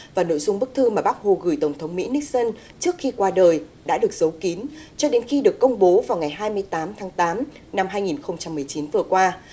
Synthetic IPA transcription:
vaː˨˩no̰˧˥jzʊ˧ŋ͡mɓɨ˦˥k̚t̪ʰɨ˧maː˨˩ɓa˦˥k̚ho˨˩ɣɨ˧˨˩jt̪ə˧˩ŋ͡mt̪ʰə˨˦wŋ͡mmḭ˧˥ni˦˥k̚sə˧n | t͡ɕɨ˦˥ək̚xi˧kwaː˧ɗəː˨˩j | ɗa̰ː˧˥ɗɨ˨˩ək̚z̥ə˨˦wki˨˦nt͡ɕɔ˧ɗe˨˦nxi˧ɗɨ˨˩əkːə˧wŋ͡mɓo˨˦vaː˨˩wŋa˨˩jɦaː˧jmɨ˧əjt̪aː˨˦mt̪ʰaː˨˦ŋt̪aː˨˦m | na˧mɦaː˧jŋi˨˩nxə˧wŋ͡mt͡ɕa˧mːɨ˨˩əjt͡ɕi˨˦nvɨ˨˩əkwaː˧

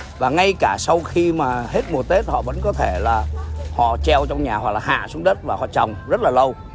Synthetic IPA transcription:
vaː˨˩ŋa˧jkaː˧˩sa˧wxi˧maː˨˩he˦˥t̚mu˨˩ət̪e˦˥t̚hɔ̰˧˨və̰˧˥nkɔ˨˦t̪ʰe˧˩laː˨˩hɔ̰˧˨t͡ɕɛ˧wt͡ɕɔ˧wŋ͡mɲaː˨˩hwa˨˩k̚laː˨˩ha̰ː˧˨su˨˦əŋɗəː˦˥t̚vaː˨˩hɔ̰˧˨t͡ɕɔ˨˩wŋ͡mzə˦˥t̚laː˨˩lə˧w

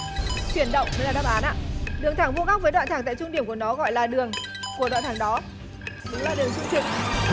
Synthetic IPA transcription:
t͡ɕwi˧˩ənɗə̰˧˨wŋ͡mə˨˦laː˨˩ɗaː˦˧˥p̚ʔaː˨˦nʔa̰ː˧˨ɗɨ˨˩əŋt̪ʰaː˧˩ŋvu˧ɣa˦˥əː˨˦ɗwa̰ː˧˨t̪ʰaː˧˩ŋt̪a̰ː˧˨t͡ɕʊ˧ŋ͡mɗi˧˩əmku˧˩ənɔ˨˦ɣɔ̰˧˨jlaː˨˩ɗɨ˨˩əŋ | ku˧˩əɗwa̰˧˨t̪ʰaː˧˩ŋɗɔ˨˦ | ɗʊ˨˦ŋ͡mlaː˨˩ɗɨ˨˩əŋt͡ɕʊ˧ŋ͡mt͡ɕi˨˩ŋ

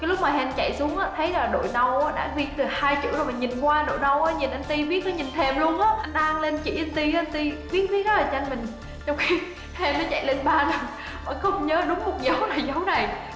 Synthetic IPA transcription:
kaː˨˦jlʊ˦˥k͡p̚maː˨˩ɦɛ˧nt͡ɕa̰˧˨jsu˨˦əŋʔaː˨˦˥t̪ʰə˨˦jlaː˨˩ɗo̰˧˨jnə˧wʔaː˨˦ɗa̰ː˧˥zi˧t̪ɨ˨˩haː˧jt͡ɕɨ̰˧˥əzo˨˩jma˨˩ɲi˨˩nkwaː˧ɗo̰˧˨jnə˧wʔaː˨˦ɲi˨˩nʔa˧jŋ̟t̪i˧ɓi˦˥ət̚ːɔ˨˦ɲi˨˩nt̪ʰɛ˨˩mlu˧ənʔaː˨˦˥ʔa˧jŋ̟ɗaː˧ŋle˧nt͡ɕḭ˧˩ʔa˧n̟t̪i˧ʔa˧n̟t̪i˧ɓi˦˥ət̚vi˦˥˨laː˨˩ɲa˧jŋmï˨˩ŋ̟ | t͡ɕɔ˧wŋ͡mxi˧ | hɛ˧nːɔ˨˦t͡ɕa̰˧˨jle˧nɓaː˧na˨˩ | ɓa̰ː˧˩nxə˧wŋ͡mɲəː˨˦ɗʊ˨˦ŋ͡mkʊ˨˩k͡p̚zə˨˦wna˨˩jzə˨˦wna˨˩j

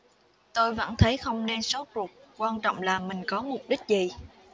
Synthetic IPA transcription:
t̪o˧jvə̰˧˥nt̪ʰə˨˦jxə˧wŋ͡mne˧nso˨˦tu˨˩t̚kwaː˧nt͡ɕɔ̰˧˨wŋ͡mlaː˨˩mï˨˩ŋ̟kɔ˨˦mʊ˨˩p̚ɗï˦˥k̟̚zi˨˩

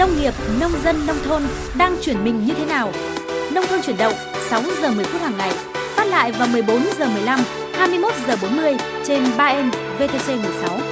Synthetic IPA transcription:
nə˧wŋ͡mŋi˨˩əp̚nə˧wŋ͡mzə˧nːə˧wŋ͡mt̪ʰo˧n | ɗaː˧ŋt͡ɕwi˧˩ənmï˨˩ŋ̟ɲɨ˧t̪ʰe˨˦naː˨˩w | nə˧wŋ͡mt̪ʰo˧nt͡ɕwi˧˩ənɗə̰˧˨ŋ͡m | sa˨˦wzəː˨˩mɨ˨˩əjfu˦˥t̚haː˨˩ŋːa˨˩j | faː˦˥t̚la̰ː˧˨jvaː˨˩wmɨ˨˩əjɓo˨˦nzəː˨˩mɨ˨˩əjla˧m | haː˧jmɨ˧əjmo˦˥t̚zəː˨˩ɓo˨˦nmɨ˧əj | t͡ɕe˧nɓaː˧ʔɛ˧n | ve˧t̪e˧se˧mɨ˨˩əjsa˨˦w

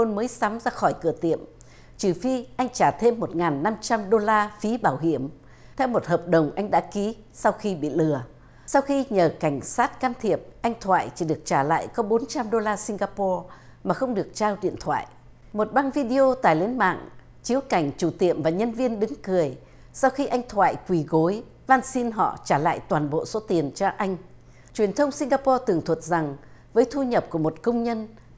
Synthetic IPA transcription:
o˧nməː˨˦jsa˨˦mzaː˧xɔ˧˩jkɨ˧˩ət̪ḭ˧˨əm | t͡ɕɨ˨˩fi˧ʔa˧jŋ̟t͡ɕaː˧˩t̪ʰe˧mːo˨˩t̚ŋaː˨˩nːa˧mt͡ɕa˧mɗo˧laː˧fi˨˦ɓaː˧˩wɦḭ˧˩əm | t̪ʰɛ˧wmo˨˩t̚həː˨˩p̚ɗə˨˩wŋ͡mʔa˧jŋ̟ɗa̰ː˧˥ki˨˦ | sa˧wxi˧ɓḭ˧˨lɨ˨˩ə | sa˧wxi˧ɲəː˨˩ka˧˩jŋ̟saː˦˥t̚kaː˧mt̪ʰi˧˩əp̚ʔa˧jŋ̟t̪ʰwa̰ː˧˨jt͡ɕi˧˩ɗɨ˨˩ək̚t͡ɕaː˧˩la̰ː˧˨jkɔ˨˦ɓo˨˦nt͡ɕa˧mɗo˧laː˧si˧ŋ̟ɡaː˧pɔ˧ | maː˨˩xə˧wŋ͡mɗɨ˨˩ək̚t͡ɕaː˧wɗḭ˧˨ənt̪ʰwa̰ː˧˨j | mo˨˩t̚ɓa˧ŋvi˧ɗi˧ʔo˧t̪a̰ː˧˨jle˨˦nma̰ː˧˨ŋ | t͡ɕi˨˦əwka˧˩jŋ̟t͡ɕu˧˩t̪ḭ˧˨əmvaː˨˩ɲə˧nvi˧ənɗɨ˨˦ŋkɨ˨˩əj | sa˧wxi˧ʔa˧jŋ̟t̪ʰwa̰ː˧˨jkwi˨˧˩ɣo˨˦j | vaː˧nsi˧nɦɔ̰˧˨t͡ɕaː˧˩la̰ː˧˨jt̪waː˨˩nɓo̰˧˨so˨˦t̪i˨˩ənt͡ɕɔ˧ʔa˧jŋ̟ | t͡ɕwi˨˩ənt̪ʰə˧wŋ͡msi˧ŋ̟ɣaː˧pɔ˧t̪ɨ˨˩əŋt̪ʰwə˨˩t̚za˨˩ŋ | vəː˨˦jt̪ʰu˧ɲə˨˩p̚ku˧˩əmo˨˩t̚kə˧wŋ͡mɲə˧n

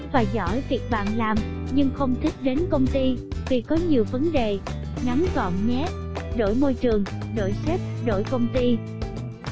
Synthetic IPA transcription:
vaː˨˩zɔ̰˧˩jvi˨˩ək̚ɓa̰ː˧˨nlaː˨˩mɲɨ˧ŋxə˧wŋ͡mt̪ʰï˦˥k̟̚ɗe˨˦nkə˧wŋ͡mt̪i˧vi˨˩kɔ˨˦ɲi˨˩əwvə˨˦nɗe˨˩ŋa˨˦nzɔ̰˧˨mɲɛ˦˥ | ɗo̰˧˩jmo˧jt͡ɕɨ˨˩əŋɗo̰˧˩jsɛ˦˥p̚ɗo̰˧˩jkə˧wŋ͡mt̪i˧

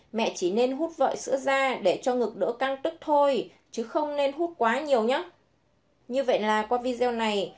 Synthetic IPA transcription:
mɛ̰˧˨t͡ɕi˧˩ne˧nɦu˦˥t̚və̰ː˧˨jsɨ̰˧˥əzaː˧ɗe˧˩t͡ɕɔ˧ŋɨ˨˩k̚ɗɨ̰˧˥əka˧ŋt̪ɨ˦˥k̚t̪ʰo˧j | t͡ɕɨ˨˦xə˧wŋ͡mne˧nɦu˦˥t̚kwaː˨˦ɲi˨˩əwɲa˨˦ | ɲɨ˧və̰˧˨jlaː˨˩kwaː˧vi˧zɛ˧wna˨˩j

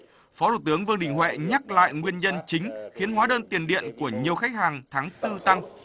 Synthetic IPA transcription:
fɔ˨˦t̪ṵ˧˨˩t̪ɨ˨˦əŋvɨ˧ŋnɗï˨˩ŋ̟hwɛ̰˧˨ɲa˦˥k̚la̰ː˧˨jŋwi˧ənɲə˧nt͡ɕï˨˦ŋ̟xi˨˦ənɦwaː˨˦ɗəː˧nt̪i˨˩ənɗḭ˧˨ənku˧˩əɲi˨˩əwxa˦˥jk̚haː˨˩ŋt̪ʰaː˨˦ŋt̪ɨ˧t̪a˧ŋ

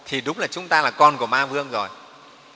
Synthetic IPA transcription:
t̪ʰi˨˩ɗʊ˨˦˥ŋ͡mlaː˨˩t͡ɕʊ˨˦ŋ͡mt̪aː˧laː˨˩kɔ˧nku˧˩əmaː˧vɨ˧əŋzo˨˩j

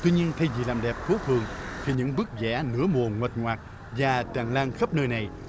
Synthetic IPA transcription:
t̪wi˧ɲi˧ənt̪ʰa˧jzi˨˩laː˨˩mɗɛ˨˩p̚k̪ʰo˨˦fɨ˨˩əŋt̪ʰi˨˩ɲɨ̰˧˥ŋɓɨ˦˥ək̚zɛ̰˧˥nɨ̰˧˥əmu˨˩əŋwə˨˩t̚ŋwaː˨˩t̚ | vaː˨˩t͡ɕaː˨˩ŋlaː˧ŋxə˦˥p̚nəː˧jna˨˩j

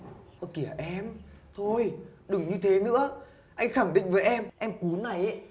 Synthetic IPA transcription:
ʔə˨˧˩ki˧˩əʔɛ˧mt̪ʰo˧jɗɨ˨˩ŋɲɨ˧t̪ʰe˨˦nɨ̰˧˥ə | ʔa˧jŋ̟xaː˧˩ŋɗḭ˧˨ŋ̟vəː˨˦jʔɛ˧mʔɛ˧mku˨˦na˨˩jʔ

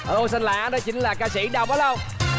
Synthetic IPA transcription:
ʔəː˧˩s̬a˧nlaː˨˧˩ʔaː˨˦nɗɔ˨˦t͡ɕï˨˦ŋ̟laː˨˩kaː˧si˧˩ɗa˨˩w̚k͡p̚ɗɔ˨˦lə˧˩w

